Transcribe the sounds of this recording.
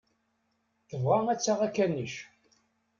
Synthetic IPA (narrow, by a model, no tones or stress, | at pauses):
θəvʁææt͡sːaʁækːænːiʃ